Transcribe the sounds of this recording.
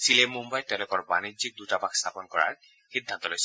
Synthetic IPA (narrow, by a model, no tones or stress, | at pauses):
silemumbajt̪ɛ̃lɔkɔɹbanizik̚d̪utabakst̪ʰapɔnkɔɹa̰ɹ | xid̪ʱːant̪ɔlojs